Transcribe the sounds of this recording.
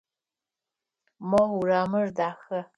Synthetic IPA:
mɔuraːmɨrdaːxɐ

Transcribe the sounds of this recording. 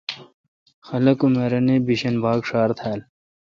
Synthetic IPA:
xɐlɐkumeɾɐnebiɕɐnbʱaːkʂaːɾt̪ʰaːl

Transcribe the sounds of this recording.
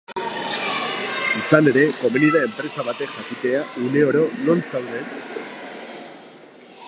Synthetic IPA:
isane̞ɾe̞ko̞meniðae̞mpɾe̞saβat̪e̞ʝakit̪e̞aʔune̞o̞ɾo̞no̞nsawðe̞t̪

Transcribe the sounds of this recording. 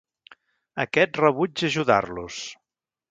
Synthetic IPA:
əkɛt̪rəβud͡ʒəʒuða̰rlus

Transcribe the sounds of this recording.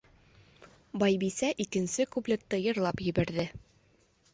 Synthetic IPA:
bɑjbisæʔikɘ̆nsɘkublʲɘkt̪ːɤjɤ̆ɾlˠɑpjɘ̆bæɾðɘ

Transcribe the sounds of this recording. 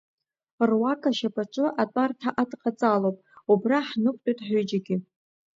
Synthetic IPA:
rwakʼaʃapʼaʈ͡ʂʼɨʔatʼartʰaʔadqʼat͡sʼalowpʼubraħnɨkʷʼtʼojtʼħʷᶣʊd͡ʒaɡʲɪ

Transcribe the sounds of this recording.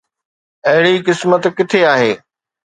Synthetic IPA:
ɐɦɪɽikɪsmət̪kɪt̪ʰeaːɦeː

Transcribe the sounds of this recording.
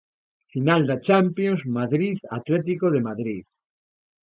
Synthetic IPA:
finald̪at͡ʃampjonzmaðɾiðat̪let̪̬ikoðemaðɾið

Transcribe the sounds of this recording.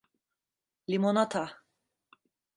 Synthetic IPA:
lʲimonat̪ʰa

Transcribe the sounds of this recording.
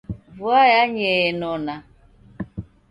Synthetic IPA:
vuajaɲenɔna

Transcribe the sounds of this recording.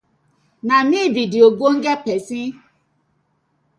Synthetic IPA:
namididioɡʷoŋ̩ɡepesi

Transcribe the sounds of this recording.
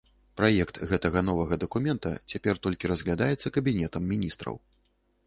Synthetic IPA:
pɾajɛkt̪ɣɛt̪ɐɣɐnɔvɐɣɐd̪ɐkumʲɛnt̪ɐ̰t͡sʲapʲɛrt̪ɔlʲkʲiɾɐzɣlʲad̪ajɛt̪sːɐkɐbʲinʲɛt̪ɐmːʲinʲist̪ɾɐ̰w

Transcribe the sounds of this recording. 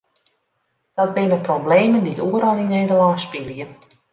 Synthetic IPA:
d̥ɔt̚bɪnəprobleːməndituəɾɔlˠnineːdəlɔːspɪljə

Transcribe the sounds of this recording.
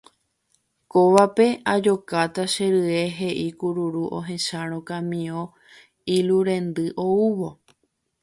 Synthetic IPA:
koʋape̞ad͡ʒo̞kat̪aʃeɾɨe̞ɦe̞ʔikuɾuɾuʔo̰ɦẽ̞ʃaɾ̃õkãmĩõ | iluɾẽ̞nd̪ɨʔo̞uʋo̞

